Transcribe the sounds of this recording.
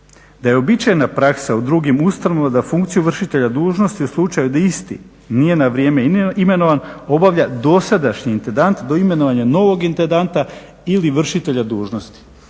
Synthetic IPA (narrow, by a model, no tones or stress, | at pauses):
d̪ajeo̞bit͡ʃajnapɾaksaud̪ɾuɡimust̪anoʋad̪afuŋkt̪sijuʋr̩ʃit̪e̞ʎad̪uːʒno̞st̪iuslˠut͡ʃajud̪aist̪ḭ | nije̞naʋɾʲjeːmeime̞no̞ʋano̞baʋʎad̪o̞sad̪aʃɲiːnt̪end̪ant̪d̪o̞ime̞noʋaɲano̞ʋo̞ɡint̪end̪ant̪a | iliʋr̩ʃit̪e̞ʎad̪uːʒno̞st̪i̥